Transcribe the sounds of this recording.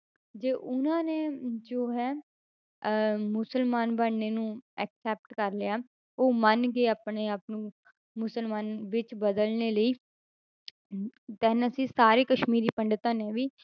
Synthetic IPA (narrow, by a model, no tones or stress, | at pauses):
d͡ʒeːʔʊnãːneːd͡ʒoːɦɛː | mʊsəlmaːnbəɳneːnũːɛːksɛːp̚ʈkəɾlɪjaː | oːmənɡeːaːpɳeːapnũː | mʊsəlmaːnʋɪt͡ʃbəd̪əlneːləiː | t̪ɛːnəsĩːsaːɾeːkəʃmiːɾiːpəɳɖt̪ãːnẽːʋiː